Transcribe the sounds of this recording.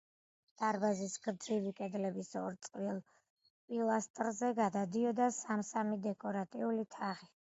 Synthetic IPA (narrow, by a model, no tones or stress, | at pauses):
d̪̥aɾbazisɡɾd̪zivikʼɛd̪lɛbisɔɾt̪sʼqʼvilˠ | pʼilˠast̪ʼɾzɛɡad̪ad̪iɔd̪asamsamid̪ɛkʼɔɾat̪ʼiulit̪ʰaʁi